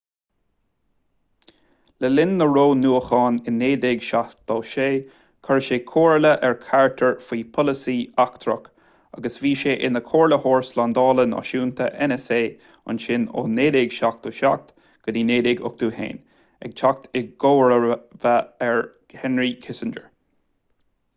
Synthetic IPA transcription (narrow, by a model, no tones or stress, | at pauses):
ləlɪnːəɹoːnuːəxɑːnɪnːeːd̪ɪɡʃad̪̥ɔːʃeː | kʰəɹʃeːkʰoːɹləʔɛɹkʰaɹət̪ʰəɹfiːpʰɔləsiːakt̪ʰɾək | a̰ɡəsviːʃeːʔɪnəkʰoːɹləhoːɹslaːnd̪ɑːlənɔ̰ʃuːnt̪ʰə̰ʔɛnɛseː | ʊ̰nʃɪno̰ːneːd̪ɪɡʃak̚t̪oːʃak̚t̪ | ɡ̥ənineːd̪ɪɡʊ̰k̚d̪̥uːhḛːn | ɛ̰ɡ̚t͡ʃʰak̚t̪ʰɪɡɡoːɹəvaɛɹ | hɛnɹikʰɪsənd͡ʒə̰ɹ